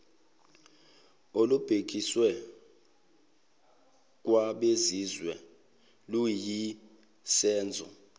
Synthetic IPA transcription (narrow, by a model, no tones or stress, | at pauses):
olub̥ʱek̬ʼiswɛ | k̬ʼwaɓezizwɛ | luji | sɛːnd͡zʱɔ̰